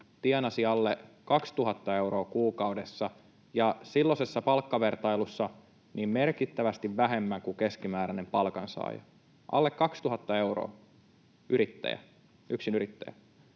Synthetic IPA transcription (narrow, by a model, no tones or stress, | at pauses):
t̪iɛnɑsiɑlːekɑkst̪uɦɑt̪ːɑe̞wɾo̞ːkuːkɑudesːɑ | jɑsilːosesːɑpɑlkːɑʋe̞rt̪ɑilusːɑ | niːmme̞rkit̪ːæʋæst̪iʋʋæɦe̞mːæŋkuke̞skimæːɾænempɑlkɑnsɑ̰j̰ | ʔɑ̰lːekːɑkst̪uɦɑt̪ːɑe̞uro̰ː | yɾit̪ːæ̰jæ̰ | ʔyksinyɾit̪ːæ̰jæ̰